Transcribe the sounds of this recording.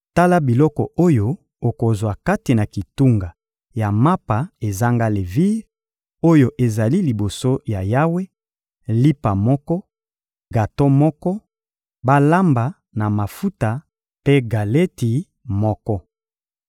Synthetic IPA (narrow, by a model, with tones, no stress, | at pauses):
ta˦la˦bi˨lɔ˦kɔ˨o˦jo˦ | o˨ko˨zwa˨ka˦ti˨na˨ki˨tu˦ŋɡa˨ | ja˨ma˦pa˨e˨za˦ŋɡa˦le˨vi˦ʁ | o˦jo˨ʔe˨za˨li˦li˨bo˨so˦ja˨ja˦we˦ | li˦pa˨mɔ˦kɔ˦ | ɡa˨to˦mɔ˦kɔ˦ | ba˦la˦mba˨ | na˨ma˨fu˦ta˨ | pe˦ɡa˨le˦ti˨ | mɔ˦kɔ˦